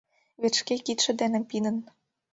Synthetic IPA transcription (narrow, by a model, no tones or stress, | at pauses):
βet̪ʃkekit̪ʃɘ̆d̪ænɘ̆mpinə̆n